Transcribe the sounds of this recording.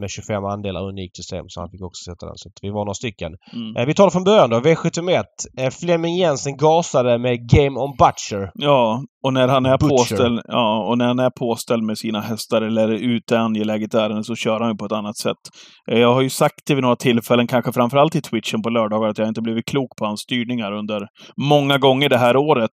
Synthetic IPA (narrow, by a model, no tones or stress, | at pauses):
mɛɕɵfɛmːand̪eːla̰ɾɵniːk̪̚sʏst̪ḛːmsɔha̰nfɪkːɔksɔ̥sɛt̪ːad̪ɛ̰nsat̪vɪvanoːɾast̪ʏkːə̰nːvɪt̪ʰɑːlaɾfɾɔnbœɾjand̪ɔveɧɛt̪ʰəmɛt̪ːflɛmɪŋjɛnsənɡɑːsad̪əmɛɡɛɪmɔnbat̪ʂəɾjɑːɔnæɾhanæɾpʰoːɛljɑːɔnæɾhanæɾpʰoːst̪ɛld̪mɛsiːnaɦɛst̪aɾɛlːəɾʉ̟ːt̪əanjəlɛːɡət̪æːɾənəsɔɕœːɾhanjɵpʰɔɛt̪anːat̪sɛ̰t̪ː | jɑːɡɦhaɾjɵsak̚t̪̚d̪ɛvɪnoːɾat̪ʰɪlːfɛlːənkʰanɧəfɾamfœɾalt̪ɪt̪ʰwɪt̪ʂənpɔlœːɖɑːɡaɾat̪jahaɪnt̪əbliːvɪt̪̚kʰluːkpʰɔhansst̪yːɳɪŋaɾɵnd̪əɾmɔŋːaɡɔŋːəɖɛɦæːɾoːɾət̪